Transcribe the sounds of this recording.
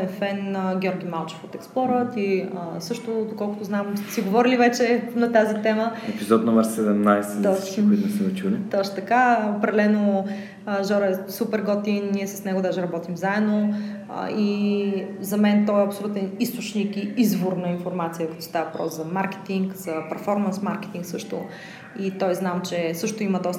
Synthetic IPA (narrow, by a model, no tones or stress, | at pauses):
ɛfɛnɡʲɔɾɡʲimalˠt͡ʃɛ̥fot̪ɛksplˠɔɾət̪iəsɤʃt̪ʊd̪okɔlˠkʊt̪ʊznamst̪ɛ̥siɡovɔɾilivɛt͡ʃɛnɐt̪azit̪ɛməɛpizɔt̪nɔmɛɾsɛd̪ɛmnajsɛɔikʊit̪nɛsɛd̪ɛt͡ʃulit̪ɔt͡ʃt̪t̪ɐkaopɾɛd̪ɛlɛno | ʒɔɾɛsupɛɾɡɔt̪inːiɛsɐ̥snɛɡʊd̪aʒɛɾɐbɔt̪imzaɛd̪no̰ | i | zɐmɛnt̪ɔɛɐpsolut̪ɛnist̪ot͡ʃnikiizvoɾnəinfoɾmat̪sijəkɐt̪ɔ̥st̪avvɐpɾɔ̰szɐmaɾkɛ̥t̪iŋkz̥ɐpɛɾfɔɾmənsmaɾkɛ̥t̪iŋksɤʃt̪ʊ̰ | it̪ɔjznamt͡ʃɛsɤʃt̪ʊiməd̪ɔst̪